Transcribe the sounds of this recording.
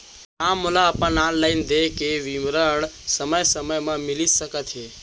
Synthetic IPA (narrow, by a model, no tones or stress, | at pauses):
amːulaəpənanlaɪnd̪ekeʋimɾəɽsəməjsəməjmãmilisəkət̪ɦe